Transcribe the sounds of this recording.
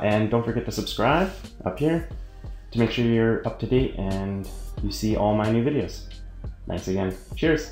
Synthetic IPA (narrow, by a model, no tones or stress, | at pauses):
ʔɨ̃ndõʊ̃tfə˞ɡɛt̪̚ðɨsəb̥skɹaɪbʔʌ̰phiɹ | tʰɨmeɪkʃʊɹjə˞ʌp̚tʰɨdeɪtɨ̃njɨsiʔɔlˠmaɪnʉvɪɾioʊz̥ | θæ̰̃ŋksɨɡɛ̃nt͡ʃɛɹs